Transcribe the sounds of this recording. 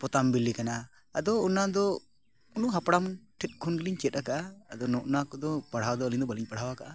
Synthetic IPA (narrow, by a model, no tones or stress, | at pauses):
pɔt̪ambilːikana̰ː | d̪ɔunad̪ɔ | unuɦapɽamʈʰɛt̪̚ˀkʰɔnɡiliɲt͡ʃɛt̪̚ˀakaʔaːd̪ɔnɔʔnakɔd̪ɔpaɽ̤awd̪ɔəliɲd̪ɔbəliɲpaɽ̤awakaʔa